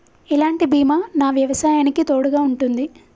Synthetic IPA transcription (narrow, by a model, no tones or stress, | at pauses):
ilaːɳʈibʱiːmaːnaːʋjɐʋɐsaːjaːnikit̪oːɽuɡaːuɳʈund̪i